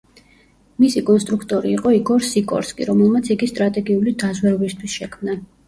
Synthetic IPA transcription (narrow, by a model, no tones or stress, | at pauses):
misikʼɔnst̪ʼɾukʰt̪ʼɔɾiːqʼɔikʼɔɾsikʼɔ̰ɾskʼḭɾɔmɛlˠmat̪sʰiɡist̪ʼɾat̪ʼɛɡiulid̪azwɛɾɔbist̪ʰwisʃɛkʰmna